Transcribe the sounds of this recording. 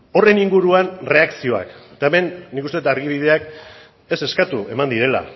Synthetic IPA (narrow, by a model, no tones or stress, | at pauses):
o̞re̞niŋɡuɾuanre̞aksio̞a̰kt̪aeme̞nːikust̪e̞t̪aɾɣiβ̞iðe̞ak | e̞se̞skat̪ue̞̰mand̪iɾe̞la̰